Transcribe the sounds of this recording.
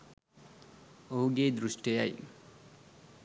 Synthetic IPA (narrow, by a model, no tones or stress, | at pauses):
oɦuɡed̪ɾusʈejaj